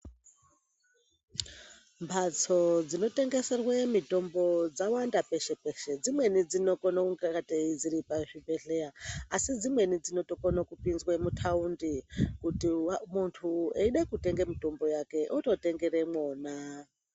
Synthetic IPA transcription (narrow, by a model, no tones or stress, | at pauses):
mbʰat͡sʰod͡zino̞te̞ŋɡeserwemito̞mbo̞d͡zawandapeʃepeʃed͡zimwenid͡zino̞konakuŋɡakatʼeid͡ziɾipaʐibeɮejaːsid͡zimwe̞nid͡zino̞to̞konakupinzwamutʰaundikutimuntʰueiɗakute̞ŋɡamito̞mbo̞jake̞ʔotote̞ŋɡe̞ɾemoːna